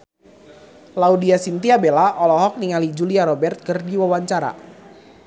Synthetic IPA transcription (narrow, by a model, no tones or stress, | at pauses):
laudiasint̪iabelaʔɔlɔɦɔk̚niŋalid͡ʒuliaɾɔbɛrt̪̚kərdiwawaɲt͡ʃaɾa̰